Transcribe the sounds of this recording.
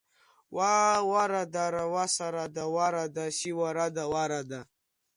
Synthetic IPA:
wawaɾad̪aɾawasaɾad̪awaɾad̪aɕiwaɾad̪awaɾad̪a

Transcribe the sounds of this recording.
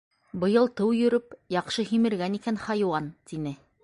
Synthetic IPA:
bɤ̆jɤlˠt̪ɤwjɵ̆ɾɵpjɑqʃɤhimɘ̆ɾɡænikænχɑjwɑnt̪inɘ

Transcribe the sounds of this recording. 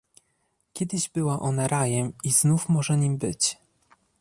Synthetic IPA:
kʲɛd̪ɘʑbɘwaʔɔnaɾajɛmiz̥nufmɔʐɛɲimbɘt͡ɕ

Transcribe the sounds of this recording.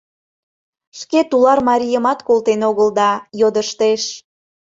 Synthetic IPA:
ʃket̪ulɑrmɑɾʲijəmɑt̪kolˠt̪enoɣəld̪ɑjod̪əʃt̪eʃ

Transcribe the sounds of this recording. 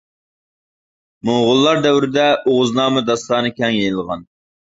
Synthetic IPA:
moʁʊlˠːɑɾd̪ɛwɾɪd̪ɛoʁʊznɑːmɨd̪ɑst̪ɑːnɨkʲʰɛŋjejɨlˠʁɑn

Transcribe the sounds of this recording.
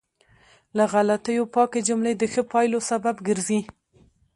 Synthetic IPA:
laɣalat̪əjopɑked͡ʒʊmled̪əxəpɑjlosababɡəɾzi

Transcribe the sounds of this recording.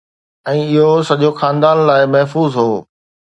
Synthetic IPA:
ɛ̃ːɪɦosɐʄoxaːnd̪aːnlaːɪmɐɦfuːzɦoː

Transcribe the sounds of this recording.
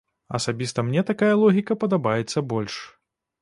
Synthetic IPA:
ɐ̰sabʲist̪ɐmnʲɛt̪akajɐlˠɔɣʲikɐpɐd̪abajɛt̪sːɐbɔlʲʂ

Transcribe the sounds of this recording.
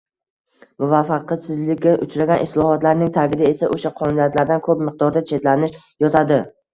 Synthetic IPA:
mʊvafːɑq̪ːsɪzlɪkʲːaʔʊt͡ʃɾaɡʲanʔɪslˠɒhɒt̪laɾnɪŋt̪ʰaɡʲɪd̪ae̞saʔoʃaqʰɒnʊnijat̪laɾd̪ankʰɵpmɪq̚d̪ɒɾd̪at͡ʃʰe̞t̪lanɪʃ | jɒt̪ʰad̪ɪ

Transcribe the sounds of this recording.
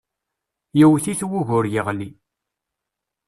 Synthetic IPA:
jiwθiθwʊʝʊɾjəʁli

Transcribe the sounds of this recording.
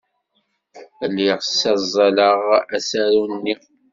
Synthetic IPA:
lːiʁsːæzˤːɑləʁæsæɾunːi

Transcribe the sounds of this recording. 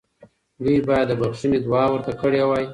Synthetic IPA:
dubɑjad̪ːəbaxʃinid̪wɑwəɾt̪akəɽewɑj

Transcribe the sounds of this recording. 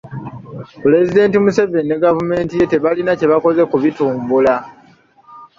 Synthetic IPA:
pule̞zide̞ːntimusevenːeɡavume̞ːntije̞te̞βalinace̞βako̞ze̞kuβituːmbula

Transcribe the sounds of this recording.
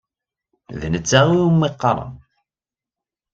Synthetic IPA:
ðnət͡sːaʁiumːiqːɾˤɑ̰n

